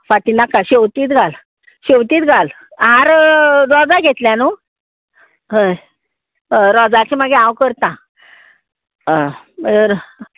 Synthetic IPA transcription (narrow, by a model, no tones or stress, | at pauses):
faʈinakaɕewt̪iːt̪ɡʱal | ɕewt̪iːt̪ɡʱal | aɾɾɔd͡zaɡʱet̪ljãnu | ɦəj | ɾɔd͡zat͡ɕimaɡeawkəɾt̪ã | məd͡ze